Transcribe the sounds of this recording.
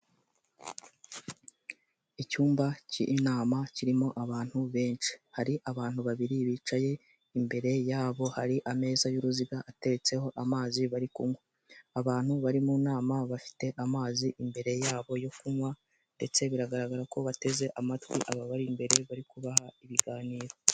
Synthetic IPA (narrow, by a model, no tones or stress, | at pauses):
icuːmbacḭʔːnaːmaciɾimo̞ʔaβaːn̥huβe̞ːnt͡ʃi̥haɾiʔaβaːnhuβaβiɾiβiːt͡ʃaje̞ | imbe̞ɾe̞jaːβo̞haɾiʔame̞ːzajuɾuziɡaʔate̞ɾet͡se̞ho̞ʔamaːziβaɾikuŋwe | aβaːn̥huβaɾimunaːmaβafi̥te̞ʔamaːziʔimbe̞ɾe̞jaːβo̞jofumwa | nde̞t͡se̞βiɾaɡaɾaɡaɾako̞βate̞ze̞ʔamatwḭʔaβaβaɾimbe̞ɾe̞βaɾikuβahaiβiɡaːniːɾo